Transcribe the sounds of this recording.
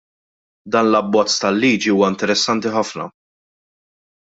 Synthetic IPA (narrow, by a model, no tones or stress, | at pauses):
d̪ɐːnlɐbːɔt͡sːt̪ɐlːiːd͡ʒiuːwɐɪnt̪ɛɾɛsːɐnt̪iħɐfnɐ̰